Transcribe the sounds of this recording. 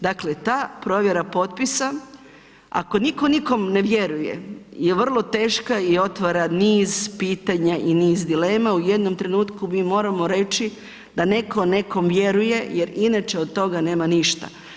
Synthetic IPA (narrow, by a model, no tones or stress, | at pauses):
d̪akle̞t̪aːpɾo̞ːʋje̞ɾapo̞t̪̚pisa | a̰ko̞niko̞niko̞mne̞ʋje̞ɾujḛjeʋr̩lˠo̞t̪e̞ːʃkaio̞t̪ʋaɾaniːzpiːt̪aɲaʔiniːzd̪ile̞ːmaujed̪no̞mt̪ɾe̞nuːt̪kumiːmo̞ːɾamo̞ɾe̞t͡ʃi | d̪ane̞ko̞ne̞ko̞mʋjeɾuje̞je̞ɾinat͡ʃe̞od̪̚t̪o̞ɡane̞ːmaniʃt̪a̰